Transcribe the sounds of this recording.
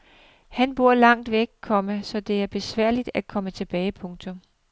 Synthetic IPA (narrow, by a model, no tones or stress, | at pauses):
hænb̥o̝ɐ̰lɑ̈ŋ̰d̥ʋeɡ̥̚kʰːɒ̽məsɒ̽d̥e̝æɐb̥e̝sʋæɐ̰lid̥æd̥̚kʰɒ̽mət͡sʰe̝b̥ɛːɪpʰɔ̽ŋt͡sʰo̽m